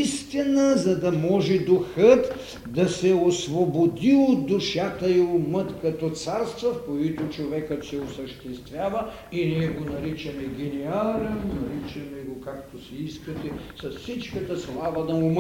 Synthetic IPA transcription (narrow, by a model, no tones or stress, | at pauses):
st̪inəzɐd̪ɐmɔʒɛd̪ʊxət̪ | d̪ɐsɛosvobod̪iod̪ʊʃat̪ɐiʊmət̪kɐt̪ɔt̪saɾst̪vɐfkoit̪ot͡ʃovɛkət̪sɛosəʃt̪ɛst̪vʲjavɐ | iniɛɡonɐɾit͡ʃɐmɛɡʲɛnialʲɛmonɐɾit͡ʃɐmɛɡokakt̪osɛiskɐt̪ɛsɐssit͡ʃkɐt̪ɐslˠavɐd̪ɐʊm